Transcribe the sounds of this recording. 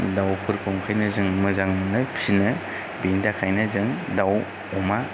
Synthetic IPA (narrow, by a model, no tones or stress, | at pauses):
dawkʰɯɾkʰɔŋkʰajnɯzɯŋmɯzaŋmɯnɯpʰsinɯ | bindakʰajnɯzɯŋdaw | ɔma